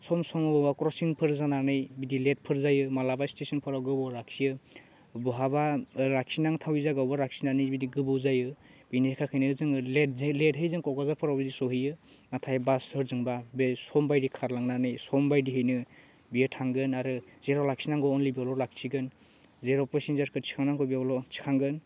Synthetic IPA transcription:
sɔmsɔmɯbɯbakɾɔsiŋpʰɯɾzananɯjbidilet̚pʰɯɾzajɯmalabajstesɔnpʰɯɾawɡɯbɔɾak̚sijɯ | bɔɦabaɾak̚sinaŋtʰawizaɡawbaɾak̚sinanɯjbidiɡɯbɯwzajɯb̥inikʰakʰɯjnɯzɯŋledzledɦɯjzɯŋkɔwkazaɾpʰɯɾawbɯdisɔɦijɯ | natʰajbasɯɾzɯŋbabesɔmbajdikʰaɾlaŋnanɯjsɔmbajdiɦɯjnɯ | bijɯtʰaŋɡɯnaɾɯzeɾɔlak̚sinaŋɡɔɔnlibialɔlak̚siɡɯn | zeɾɔpɯsinzaɾkʰɯɾt͡ʃʰi̥kʰaŋnaŋkʰɔbiawlɔt͡ʃʰi̥kʰaŋɡɯn

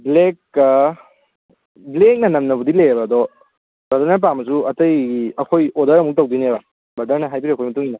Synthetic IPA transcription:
blek | blek̚nɐnɐmnɐbudilejɐbɐːdɔ | bɐdɐɾnɐɾp̬amɐs̬uɐtɐjiɐkʰojodɐɾɐmuk̚tɐwdinebɐ | bɐdɐɾnɐɦajp̬iɾiɐkʰojmɐtuŋinɐ

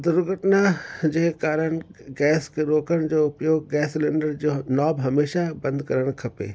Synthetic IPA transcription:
d̪ʊɾɡʱəʈnad͡ʑeːkaːɾəɽ̃ɡɛːskeɾoːkəɽ̃d͡ʑoːʊpjoːɡːɛːsleːɳɖəɾd͡ʑoːnaːbɦɐmeːʃabɐ̃nd̪kɐɾəɽ̃kʰɐpḛː

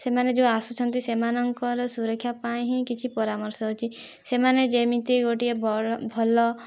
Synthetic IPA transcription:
semaned͡ʒeasut͡ʃʰɔnt̪isemanɔŋkɔɾɔsuɾɔkʰːjapaĩɦĩkit͡ʃʰipɔɾamɔɾsɔɦɔt͡ʃʰi | semaned͡ʒemit̪iɡoʈiebʱɔlɔ

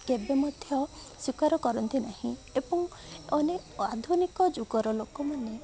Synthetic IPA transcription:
kebemɔd̪ʱjɔswikaɾɔkɔɾɔnt̪inahĩebɔŋɔnead̪ʱunikɔd͡ʒuɡɔɾɔlokɔmane

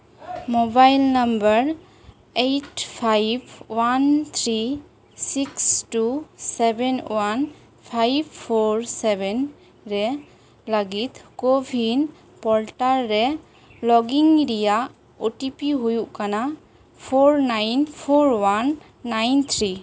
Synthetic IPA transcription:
mɔbajlnambəɾ | ejʈpʰajbwant̪ʰɾi | sikstusɛbɛnwan | pʰajbpʰːoɹsɛbɛn | ɾɛ | laɡit̪kobʱin | pɔlʈaɾːɛ | lɔɡiŋɾijaʔ | uʈipiɦujuʔkana | pʰoɹnajnpʰoɾwanː | ajnt̪ʰɾi

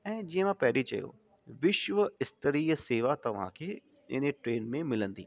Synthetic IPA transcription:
ɛ̃ːd͡ʑiːə̃mãpɛɦɪlit͡ɕɐ̰jo̰ | ʋɪʃʋəɪst̪əɾiːseːʋat̪ɐʋ̤ã̰kʰeː | ɪ̰nʈɾeːnmẽmɪlə̃nd̪ḭː

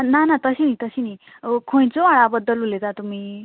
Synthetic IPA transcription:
nanat̪əsinit̪əsini | kʰoj̃t͡soaɭabəd̪əlulet̪at̪umi

